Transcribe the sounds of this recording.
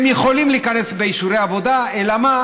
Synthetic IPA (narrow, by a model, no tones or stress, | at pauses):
miχolimlikanezbejsureaβod̪aelama